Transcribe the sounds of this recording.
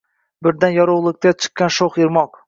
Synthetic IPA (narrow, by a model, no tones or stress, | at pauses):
bɪɾd̪anjɒɾowlˠɪk̚ʲt̪ʰat͡ʃʰɨ̥qːanʃoχɪɾmɒq